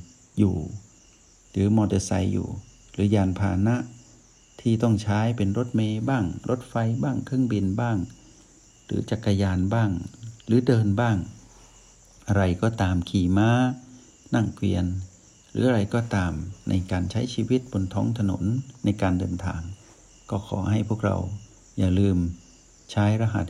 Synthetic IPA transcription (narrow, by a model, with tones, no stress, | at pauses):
jṵː˨˩ | ɾɯː˨˦mɔː˧de˧sa̰˧jːṵː˨˩ | ɾɯː˨˩˦jaː˧npʰaː˧na˦˥ʔ | t̪ʰiː˥˩t̪ɔ˥˩ŋt͡ɕʰaː˦˥jpe˧nɾo˦˥t̪̚meː˧baː˥˩ŋɾʔo˦˥t̪̚fa˧jbaː˥˩ŋkʰɯ˥˩əŋbi˧nbaː˥˩ŋ | ɾɯ̰ː˩˦t͡ɕa˨˩kːa˧jaː˧nbaː˥˩ŋɾɯː˨˦dɤː˧nbaː˥˩ŋ | ʔa˧ɾa˧jkɔː˧˥˩t̪aː˧mkʰiː˨˩maː˦˥ | na˥˩ŋkʰwḭ˧ən | ɾɯ̰ː˩˦ʔa˧ɾa˧jkɔː˧˩t̪aː˧mnʔa̰˧jkaː˧nt͡ɕʰa˦˥jt͡ɕʰiː˧wi˦˥t̪̚bo˧nt̪ʰɔː˦˥ŋt̪ʰa˧no̰˨˩˦nːa˧jkaː˧ndɤː˧nt̪ʰa̰ː˧ŋ | kɔː˥˩kʰɔ̰ː˩˦ha˥˩jpʰu˥˩ək̚ɾa̰˧w | jaː˧˩lɯː˧m | t͡ɕʰaː˦˥jɾa˧ɦa̰˨˧˦t̪̚